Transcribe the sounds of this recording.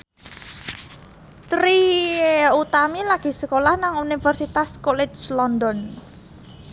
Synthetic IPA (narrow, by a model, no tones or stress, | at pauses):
t̪ɾi | ut̪amilaɡ̥i̤səkolahnaŋunifərsit̪askɔlɛd͡ʒlɔnd̪ɔn